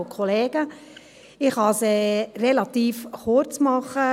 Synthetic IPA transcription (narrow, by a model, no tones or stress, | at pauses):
kʰɔleːɡ̥ə | ɪχhɑsɛrelɑt̪iːfχʊɾt͡smɑχə